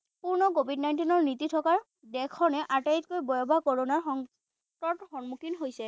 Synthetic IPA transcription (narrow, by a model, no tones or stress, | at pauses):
puɹnɔk̬obʱidnajntinɔɹnititʰɔkaɹ | dɛkʰɔnɛʔatajtkojbɔjɔbakɔɹɔnaɹxɔŋ | tɔtxɔnmukʰinɦojsɛ